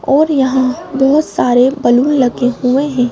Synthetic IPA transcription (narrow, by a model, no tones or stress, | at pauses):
ɔːɾjɐɦãbɔɦʊt̪saːɾebɐluːnlɐɡeɦueɦɛ̃ː